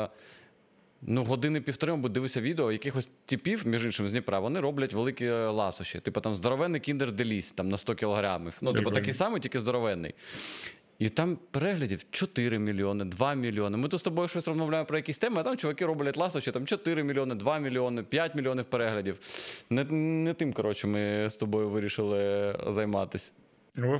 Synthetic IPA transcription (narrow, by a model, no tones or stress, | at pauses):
nuɦɔd̪ɪnɪpʲiwt̪ɔɾɪmɔbʊd̪ɪʋɪsʲɐʋʲid̪eɔjɐkɪxɔsʲtʲipʲiwmʲiʒinʃɪmzʲnʲipɾɑʋʋɔnɪɾɔblʲɐtʲʋelˠɪkʲilˠɑsʊʃɪ̰t̪ɪpɔt̪ɑmzd̪ɔɾɔʋɛnːɪjkʲind̪ɪrd̪ɪlʲisʲt̪ɑmnɐst̪ɔkʲilˠɔɦɾa̰mɪfnut̪ɪpɔt̪ɐkijsɑmɨtʲilʲkʲɪzd̪ɔɾɔʋɛnːɪ̰j | it̪ɑmpeɾɛɦlʲɐdʲiwt͡ʃɔt̪ɪɾɪmʲilʲiɔnɪd̪ʋɑmʲilʲːionɪmɨt̪ut̪st̪ɔbɔjʊʃɔsʲrɐzmɐʋwlʲajɪmpɾɔjɐkʲisʲt̪ɛmɐɐt̪amt͡ʃɔʋɐkɪɾɔblʲɐtʲlˠɑsʊʃɪt̪amt͡ʃɔt̪ɪɾɪmʲilʲionɪd̪ʋɑmʲɪlʲiɔnɪpʲjatʲmʲilʲionʲɪwpeɾɛɦlʲɐdʲiwnɛnɛt̪ɪmkɐɾɔt͡ʃɪmɪst̪ɔbɔjʊʋɪɾʲiʃɪlˠɪzɐjmɑ̰t̪ɪsʲ